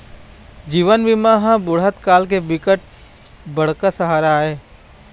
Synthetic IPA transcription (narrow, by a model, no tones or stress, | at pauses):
d͡ʒiːʋənʋimaɦãbʊɽɦət̪kaːlk̬ebɪkəʈ̚ | bɐɽ̤kasəɦaːɾaːeː